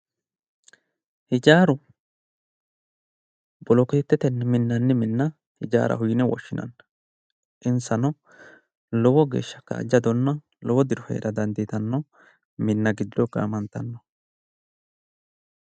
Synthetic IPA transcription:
hɪd͡ʒaːɾʊ | bɔlɔkɪt̪ɪt̪ːɛt̪ɛnmɪnːɐnːɛmɪnːɐ | hɪd͡ʒa̰ːɾʔɐ̰ɦʊjɪnɛwɔ̰ʃːɪnʔɐ̰nːɐ | ʔɪnsɐnɔ | lɔwɔɡḛːʃːɐkːa̰ːd͡ʒɐd̪ɔnːɐ | lɔwɔd̪ɪɾɔfɛ̰ɾɐd̪ɐnd̪ɪt̪ɐnːɔ | mɪnːɐɡɪd̪ːɔkːɐ̰ːmɐnt̪ɐnːɔ

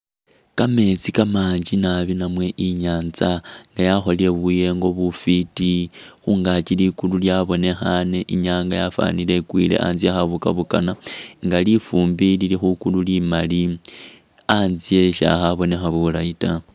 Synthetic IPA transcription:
kame̞t͡sikamaːɲd͡ʒinaβinamwe̞ʔiɲaːnt͡saŋɡajaxo̞lie̞βuje̞ŋɡo̞βufitixuŋɡat͡ʃilikululjaβo̞ne̞xane̞ʔiɲaːŋɡajafa̰nile̞kwḭle̞̰ʔa̰nziaxaβuka̰βukanaŋɡalifuːmbililixukululimali | aːnzie̞ʃa̰xaβo̞ne̞xaβulaita

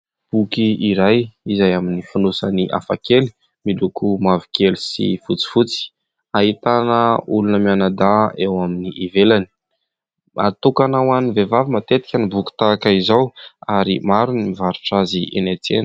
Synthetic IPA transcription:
b̥ukiiɾajizajaminifinosaniʔa̰fa̰keli̥ | milukumavi̥kelisḭfut͡si̥fut͡si̥ | aɦit̪anəulunəmianad̪aewaminiʔivelani̥ | a̰t̪ukanawanivevavimat̪et̪i̥kʲənibuki̥t̪akaizawaɾḭmaɾunimivaɾu̥ʈ͡ʂaziʔḛnat͡sḛnə

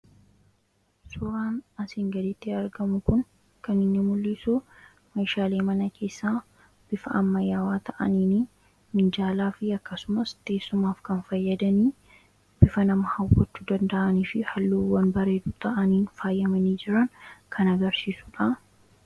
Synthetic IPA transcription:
sʊɾaːnɐsɪŋɡɐd̪ɪt̪ːɪɐɾɡɐmʊkʊn | kɐnɪnːɪmʊlːɪsu | mɐjʃaːle̞ːmɐnɐkʰe̞ːsːaː | b̥ɪfɐ̰ɐmːɐjːaːwaːt̪ʰɐʔɐ̰niːni | mɪnd͡ʒaːlaːfɪɐkːɐsʊmɐst̪e̞ːsːʊmaːfkɐnfɐjːɐd̪ɐniː | b̥ɪfɐnɐmɐhɐwːɔt͡ʃːud̪ɐnd̪ɐʔɐniːfɪhɐlːuːwːɐnbɐɾe̞ːd̪uːt̪ʰɐʔɐniːnfaːjːɐmɐniːd͡ʒɪɾɐnkʰɐnɐɡɐɾsiːsʊ̥ᶑɐ

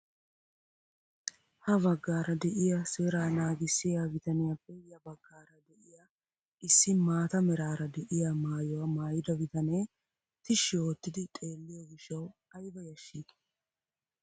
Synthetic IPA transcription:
hɐbɐɡːaːɾɐd̪ɛʔɪjɐseːɾaːnaːɡɪsːɪjaɡɪt̪ɐnɛjɐpʼːɛjɐbɐɡːaːɾɐd̪ɛʔɪja | ɪsːɪmaːt̪ɐmɛɾaːɾɐd̪ɛʔɪjamaːjɔwɐmaːjɪd̪ɐɡɪt̪ɐneː | t̪ɪʃːɪjo̞ːt̪ːɪd̪ɪt̪ʼe̞ːlːɪjɔɡɪʃːɐwɐjbɐjɐʃːiːd̪

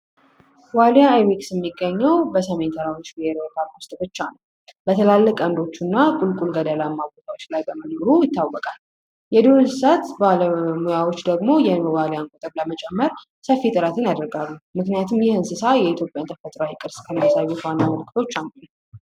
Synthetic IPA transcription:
waljaːjweksjɛmːiɡːəɲːəwbəsəme̞nsʰəɾawot͡ʃːbiheɾəwk̪ʰaɾwʊst̪ʼbɨt͡ʃːanəw | bət̪ʰəlalːəkʼənd̪o̞t͡ʃːunːakʼulkʼulɡəd̪əlamːaɡot̪ʰawot͡ʃːlajbəmənoɾujɪt̪ːawɔkʼal | jɛd̪onɨɨsat̪baləmujawo̞t͡ʃːd̪əɡmo̞jɛnwalijaŋkʼot̪ʼəβləmət͡ʃʼɛmːəɾ | səfːit̪ʼɨɾət̪ʰɨnjad̪əɾɡalːumɨknijat̪ʰumjɪhɨnsɨsajɛit̪ʰjopʼjant̪ʰəfət̪ʼɾawikʼɨɾskʰɨlnasaβet̪wanːaməlɨkʰːɨt̪ʰo̞t͡ʃːanu

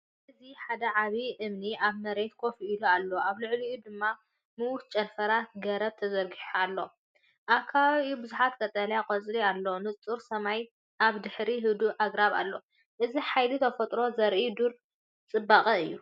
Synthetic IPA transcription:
ʔɨziħad̪ɐʕaβiʔɨmniʔaβmɐɾe̞t̪kʰo̞fiilualːoaβlɨʕlijud̪ɨmːa | mɨwʊt̪̚t͡ʃʼɐnfɐɾaɡɐɾɐβt̪ʰɐzɐɾɡiħoalːo | ʔakʰaβubɨzuħat̪kʰʼɐt̪ʼɐljakʼɐt͡sʼɾialːonɨt͡sʼuɾsɐmaj | ʔaβd̪ɨħɾiɦɨd̪uʔaɡɾaβa̰lːo̞ | ʔɨziħajlit̪ʰɐfɐt̪ʼɾo̞zɐɾʔid̪uɾ | t͡sʼɨbːaqʼɐɨjːu

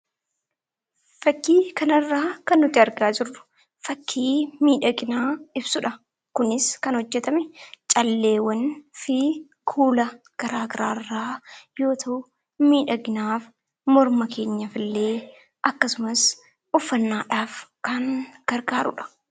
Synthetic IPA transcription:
fɐkːiːkɐnɐrːaːkɐnːʊt̪ːɪɐɾɡaːd͡ʒɪrːʊ̥ | fɐkʰːiːmiːᶑɐɡɪnaːɪbsʊᶑɐ | kʊnɪskɐnhɔd͡ʒːɛt̪ɐmɛt͡ʃʼɐlːe̞ːwɐnfɪ | kʰuːlɐ | ɡ̥ɐɾaːɡɐɾaːrːaːjo̞ːt̪ʰɐʔʊ | miːᶑɐɡɪnaːf | mɔɾmɐkʰe̞ːɲːɐfɪlːe̞ː | ʔɐkːɐsʊmɐs | ʔʊfːɐnːaːᶑaːfkɐnɡ̥ɐɾɡaːɾʊ̰ᶑɐ̥

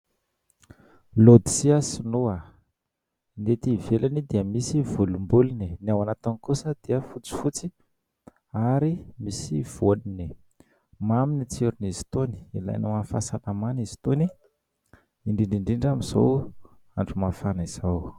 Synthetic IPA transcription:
lod̪i̥siasinoa | net̪ivelanid̪eəmisivulumbulininiawanat̪anikusəd̪̥iəfut͡si̥fut͡si | aɾimisiv̥olini | maminit͡seɾunizi̥t̪oni̥ila̰jnumafasalamanizi̥t̪oni | iɳɖ͡ʐiɳɖ͡ʐiɳɖ͡ʐiɳɖ͡ʐamiz̥o̰w | aɳɖ͡ʐumafaniz̥aw

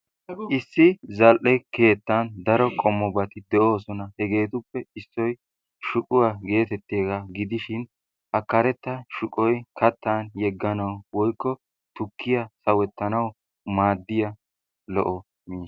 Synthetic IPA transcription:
ʔɪsːɪzɐlʔɛke̞ːt̪ːɐnd̪ɐɾɔkʼɔmːɔbɐt̪ɪd̪ɛʔo̞ːsɔnɐhɛɡe̞ːt̪ʊpːɛɪsːɔj | ʃʊkʼʊwaɡe̞ːt̪ɛt̪ːeːɡɐɡɪd̪ɪʃɪn | ʔɐkːɐɾɛt̪ːɐʃʊkʼɔjkʰɐt̪ːaːnjɛɡːɐnɐwwɔjkːɔ | t̪ʊkːɪjɐsɐwɛt̪ːɐnɐw | maːd̪ːɪjɐ | lɔ̰ʔɔ | miːs

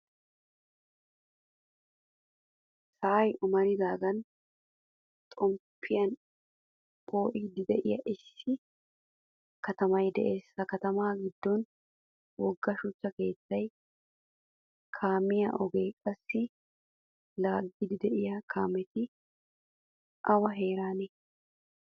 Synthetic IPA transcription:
sɐɐjʔʊmɐɾɪd̪aːɡɐn | t̪ʼɔmpʰːɪjɐn | pʼo̞ːʔɪd̪ɪd̪ɛʔɪjɐ̰ʔɪsːɪ | kɐt̪ɐmɐjd̪ɛʔe̞ːsːɐkɐt̪ɐmaːɡɪd̪ːɔn | wɔɡːɐʃʊt͡ʃːɐke̞ːt͡sːɐj | kʰaːmɪjɐ̰ʔɔɡeːkʼɐsːɪ | laːɡːɪd̪ɪd̪ɛʔɪjɐkʰaːmɛt̪ɪ | ʔɐwɐɦe̞ːɾaːnɛ

